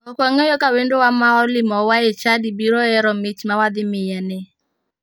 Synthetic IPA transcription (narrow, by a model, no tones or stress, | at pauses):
ɔkɔŋɔjɔkawendowamaɔlɪmɔwaet͡ʃadibiɾɔɛɾɔmɪt͡ʃmawad̪ɪmɪjanɛ